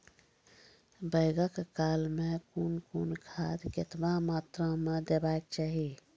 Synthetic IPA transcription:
bəɪɡəkkalmẽkunkunkʰad̪kɪt̪bamat̪ɾə̃med̪ebak̚t͡ʃaɦi

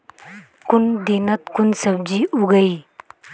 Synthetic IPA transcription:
kʊnd̪inət̪kʊnsɐb̚d͡ʒiːuɡəi

